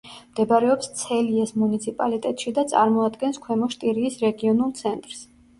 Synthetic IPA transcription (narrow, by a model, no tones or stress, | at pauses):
md̪̥ɛbaɾɛɔpst̪sʰɛliɛsmunit̪sʰipʼalit̪ʼɛt̪ʼʃid̪at̪sʼa̰ɾmɔad̪ɡɛnskʰwɛmɔʃt̪ʼiɾiːsɾɛɡiɔnulˠt̪sʰɛnt̪ʼɾs